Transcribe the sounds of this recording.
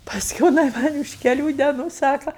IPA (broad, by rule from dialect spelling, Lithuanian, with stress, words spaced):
pɐsʲˈkʲuː jɪˈnɐɪ ˈmɐnʲ ʊʃ kʲɛˈlʲuː dʲɛˈnuː ˈsɑːkɐ